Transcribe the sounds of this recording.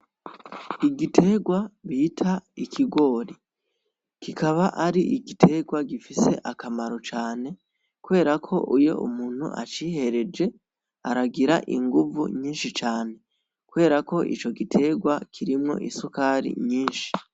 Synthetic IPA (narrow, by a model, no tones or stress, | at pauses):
iɡitʰe̞ɡwaβitʰaikʰiɡwo̞ːɾi | kikaβaʔaɾiʔiɡitʰe̞ɡwaɡifise̞̰ʔakamaɾo̞t͡ʃaːne̞ | kuwe̞ːɾakʰo̞̰ʔujo̞̰ʔṵmuːn̥hṵʔa̰t͡ʃiːhe̞ɾe̞d͡ʒe̞ | aɾaɡiɾa̰ʔḭŋɡuvṵɲiːnʃit͡ʃaːne̞ | kuwe̞ːɾako̞ʔḭt͡ʃo̞ɡitʰe̞ɡwakʰiɾimŋo̞̰ʔisukaɾḭɲiːnʃi̥